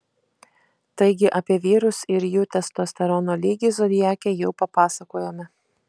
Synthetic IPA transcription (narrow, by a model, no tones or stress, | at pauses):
t̪ɐɪɡʲɪʔɐpʲiɛʋʲiːɾʊsɪɾjuːt̪ʲɛst̪oːsʲt̪ʲɐɾɔnoːlʲiːɡʲɪzoːd̪ʲɪjæːkʲejɛʊpɐpɑːsɐkoːjoːmʲɛ